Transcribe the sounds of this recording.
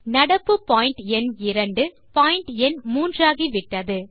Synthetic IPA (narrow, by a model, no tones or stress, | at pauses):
nɐɽɐpːɯpaːɪɳʈɛnɪɾɐɳɖɯ | paːɪɳʈɛnmuːndraːɣiʋɪʈːɐðɯ